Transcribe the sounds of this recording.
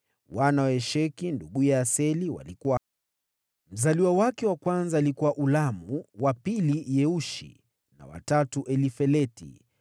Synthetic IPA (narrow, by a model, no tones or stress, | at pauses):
wanawɛʃɛkinduɠujaːsɛliwa̰likuwa | m̩zaliwawakɛwakwanzaːlikuwaʔulamuwapilijɛuʃḭ | na̰wa̰tatuʔɛlifɛlɛtḭ